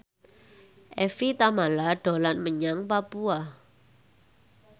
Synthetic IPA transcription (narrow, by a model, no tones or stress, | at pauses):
ʔɛfit̪amalaɖ̥o̤lanməɲaŋpapua